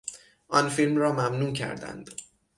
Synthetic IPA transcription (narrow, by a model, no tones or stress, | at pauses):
ʔɒnfilmrɒːmæmnuːcʰæ̰ɾd̪æ̰nd̪̥